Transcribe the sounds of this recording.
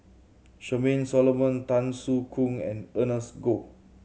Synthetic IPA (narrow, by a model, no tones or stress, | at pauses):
ʃəmẽnsɔlomə̃ntãnsukʰũŋɛ̰̃nənəsɡo